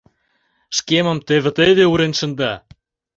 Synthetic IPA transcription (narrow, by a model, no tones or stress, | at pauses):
ʃkemə̆mt̪eβə̆t̪ed̪euɾenʃə̆nd̪ɑ